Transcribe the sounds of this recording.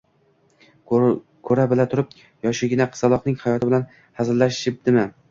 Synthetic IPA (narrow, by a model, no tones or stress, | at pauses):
kʰɵɾabɪlat̪ʰʊɾɪp̚ | jɒʃɪɡʲɪnaqʰɨ̥ɑlˠɒqnɪŋhajɒt̪ʰɪbɪlan | hazɪlːaʃɪp̚d̪̥ɪman